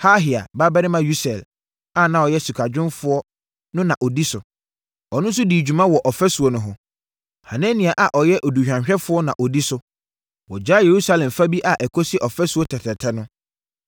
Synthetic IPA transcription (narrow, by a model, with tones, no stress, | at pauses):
haː˦ɦɪ˨a̰˨ba˦bɛ˦ɾɪ˦mã˦ju˦sɛ˨l | a˦˨nã˨ɔ˨jɛ˦su˨kʰa˨d͡ʑᶣʊ̃˦nfʊ˦ɔ˦ | nʊ̃˦nã˨ʔɔ˨di˦sʊ˨ | ɔ˨nʊ̃˦n˦sʊ˦di˨d͡ʑᶣu˨mã˦wɔ˨ʔɔ˨fɛ˦su˨ɔ˨nʊ̃˨ɦʊ̃˨ | ha˨nɛ̃˦nĩ˨a˨ʔa˨ʔɔ˨jɛ˦ʔo˨du˨ɕᶣã˨ɕᶣɛ˦fʊ˦ɔ˦nã˨ʔɔ˨di˦sʊ˦ | wɔ˨d͡ʑaː˦je˨ɾu˦sa˦lɛ̃˨mfa˦bi˦ʔa˨ʔɛ˨kʰo˦si˦ʔɔ˨fɛ˦su˨ɔ˦tʰɛ˨tʰɛ˨tʰɛ˦nʊ̃˦